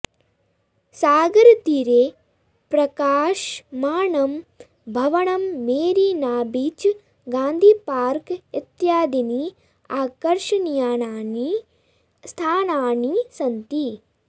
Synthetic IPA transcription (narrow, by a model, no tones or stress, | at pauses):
saːɡɐɾt̪iɾeː | pɾɐkaːʃmaːɳɐm | bʱɐʋɐɳɐmːeːɾinaːbit͡ʃ | ɡaːnd̪ʱiːpaːɾkit̪jaːd̪ini | aːkɐɾʂɐnjaːnaːni | st̪ʰaːnaːnisɐnt̪i